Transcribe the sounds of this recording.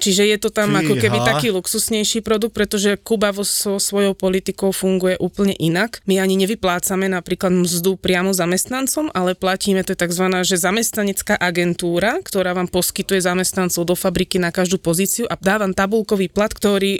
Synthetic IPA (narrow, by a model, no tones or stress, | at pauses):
t͡ʃiʒɛjɛt̪ɔt̪amakɔkɛbit̪akiːluksusɲɛjʃiːpɾɔd̪uk̚t̪pɾɛt̪ɔʒɛkubaʋɔsɔsʋɔjɔʊpɔlit̪ikɔʊfuŋɡujɛʔuːpl̩ɲɛʔinakmiaɲiɲɛʋiplaːt͡samɛnapɾiːklad̪mzd̪upɾɪamɔzamɛst̪nant͡sɔmalɛplaciːmɛt̪ɔjɛt̪aɡzʋanaːʒɛzamɛst̪naɲɛt͡skaːʔaɡɛnt̪uːɾakt̪ɔɾaːʋaːmpɔskit̪ujɛzamɛst̪nant͡sɔʊd̪ɔfabɾikinakaʒd̪uːpɔziːt͡siuʔad̪aːʋamt̪abulkɔʋiːplat̪kt̪ɔɾiː